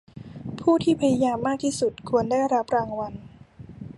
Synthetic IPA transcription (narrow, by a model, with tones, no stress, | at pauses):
pʰuː˥˩t̪ʰiː˥˩pʰa˧ja˧jaː˧mːaː˥˩k̚t̪ʰiː˥˩su˨˩t̪̚kʰu˧əndaː˥˩jɾa˦˥p̚ɾaː˧ŋwa˧n